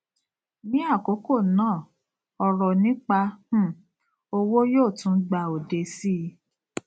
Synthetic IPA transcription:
nĩ˦a˦˨ko˨˦ko˦˨nãː˦˨ | ɔ˧ɾɔ˨nĩ˨˦k͡pa˧h̩˦˨ | o˧wo˦joː˦˨tũ˦ɡ͡ba˧o˨de˧si˦˧˦

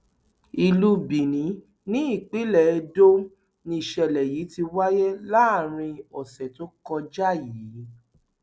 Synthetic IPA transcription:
i˧lu˦bi˨nĩ˨˦ | nĩ˦i˦˨k͡pi˦lɛ˦˨e˧do˦ | nĩ˧i˨ʃɛ˧˨lɛ˨ji˨˦ti˧wa˦jɛ˦la˦a˦˨ɾ̃ĩ˧ɔ˨sɛ˨to˦kɔ˧d͡ʒa˦˨jiː˨˦

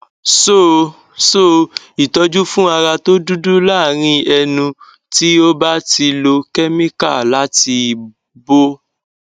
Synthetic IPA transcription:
so˦˨ | so˦˨ | i˨tɔ˧d͡ʒu˦fũ˦a˧ɾa˧to˦du˦du˦laː˦˨ɾ̃ĩ˧ɛ˧nũ˧ | ti˦o˦ba˦ti˧lo˧kɛ˦mĩ˦ka̰˦˨la˦ti˧ | bo˦

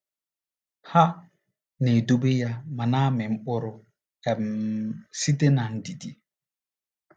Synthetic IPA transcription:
ha˦ | ne˨du˦be˦ja˦ma˨naː˦mɛ˨m˦ɓo˦ɾʊ˨ | ɛ˨m | si˦te˦na˨ndi˨di˨

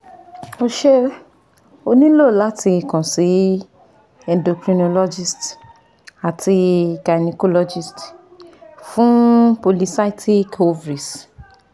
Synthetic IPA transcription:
o˦ʃe˦ | o˧nĩ˦lo˦˨la˨˦tʰi˧˨kã˨si˨˦ | ɛ̃˨ndo˨kɾĩ˧no˧lɔ˦d͡ʒi˦st | a˨tʰi˧ka˨ni˧ko˦lɔ˧d͡ʒi˦˨st | fũ˦po˧li˧sa˦tʰi˦ko˧vɾi˨s

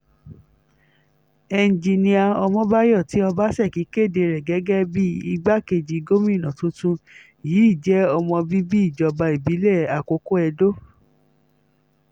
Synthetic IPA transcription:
ɛ˨˧n˨d͡ʒi˧nĩ˧a˧ɔ˧mɔ̃˧˦ba˦jɔ˦˨ti˨˦ɔ˧ba˦sɛ˦˨ki˨˦ke˦˨de˧ɾɛ˨ɡɛ˨˦ɡɛ˦bi˦i˧ɡ͡ba˦ke˧d͡ʒi˧ɡo˦mĩ˦˨nã˨tũ˦tũ˦ | jiː˨˦i˦˨d͡ʒɛ˦ɔ˧mɔ̃˧bi˦bi˦i˦˨d͡ʒɔ˧ba˧i˨bi˨˦lɛ˦˨a˨ko˧˦ko˦ɛ˧do˦

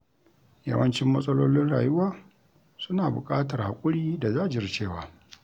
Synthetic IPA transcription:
jɐ̰˦wɐ˦nt͡ʃɪ˦mːɐ˦sʼɐ˦loː˦lɪ˦nɽa̰ː˨jʊ˦waː˦ | sʊ˦naː˨bʊ̰˨kʼaː˦tɐ˨rha˨kʷʼʊ˦ɽiː˦da˨zaː˦˨d͡ʒɪ˨rt͡ʃeː˦˨waː˨˦

